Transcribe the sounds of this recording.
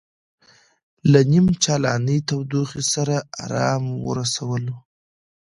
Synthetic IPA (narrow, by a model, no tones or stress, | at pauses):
lanimt͡ʃɑlɑnəjt̪awd̪uxisaɾaa̰ɾɑmwə̰ɾasawəlo